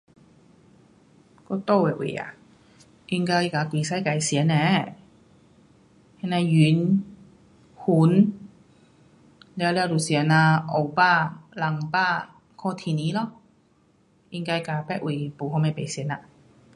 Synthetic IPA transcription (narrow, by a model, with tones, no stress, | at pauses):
kɔ˧t̪o˥˧˨wɛ˨˩˨ʔwḭ˨˩a̰˨ | ʔi˧ŋkaː˧jkaː˨˧kwiː˨˩sa˧˥˩ka˨˩jsi˨˦nɛ˨˧˦ | hɛ˧na˧jy˨˦n | hu˨˦n | lɛ˧wlɛː˧wdu˨˩si˨ə˦na˧ʔo˨˩wpaː˥˩la˨˩ŋpaː˥˩ | kʰɔː˧˩t̪ʰiː˨niː˨˦lɔ˧˩ | ʔi˧ŋkaː˧jkaː˧˩pɛ˧˥ʔ̚wi˨˩puː˨hɔ˧ma˧˩jpe˨˩jsi˨˦na˧